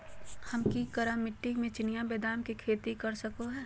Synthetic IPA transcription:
hɐmkikɐɾamɪʈːimẽt͡ʃɪnijabeːd̪aːmkikʰeːt̪ikɐɾsɐkoɦɛː

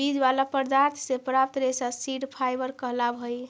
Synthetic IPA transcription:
id͡ʒbalapəɾd̪aɾt̪ʰsepɾap̚t̪ɾesasiɖpʰajbəɾkəɦlabʱəj

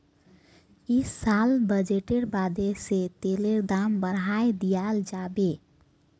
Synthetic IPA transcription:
isalbəd͡ʒeʈeɾbad̪ʱeset̪eleɾd̪ambəɾɦaed̪ijald͡ʒabe

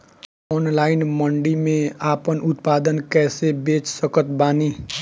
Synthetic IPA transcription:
ɔːnlaːɪnmə̃ɳɖimẽaːpənʊt̪paːd̪ənkɛːsebeːt͡ʃsəkət̪̚baːniː

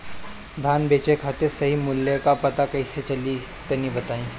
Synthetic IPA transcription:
d̪ʱaːnbʱeːt͡ʃekʰat̪esɐɦimʊljəkapɐt̪akɐiset͡ʃɐli | t̪ɐnibɐt̪aːĩː

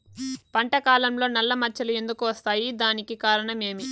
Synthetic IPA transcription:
pɐɳʈɐkaːlɐmlo̞ːnɐlːɐmɐt͡ʃːɐlue̞nd̪ukuʋɐst̪aːjid̪aːnikikaːɾɐɳɐme̞ːmi

